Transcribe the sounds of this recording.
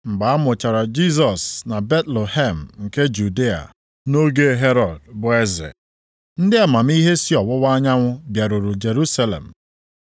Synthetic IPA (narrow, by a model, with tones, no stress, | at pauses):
ŋ͡m̩˨ɡ͡ba˨a˦mʊ˨t͡ʃa˨ɾa˨d͡ʒi˦s̬ɔ˨sna˨be˦tlo˨he˦˨m̩˨ŋ̩˨ke˦d͡ʒu˨di˦a̰˨ | no˦ɡe˦ɦe˦ɾɔ˨d̚bʊ˨e˦zɪ̰˨ | n̩˦dɪ˦a˨ma˨m̩˦i˦ɦe˦si˦ɔ˨wʊ˦wa˦ɲa˦ŋʷʊ˦bja˨ɾu˨ɾʊ˨d͡ʒe˨ɾu˦sa˦lḛ˨m̩˨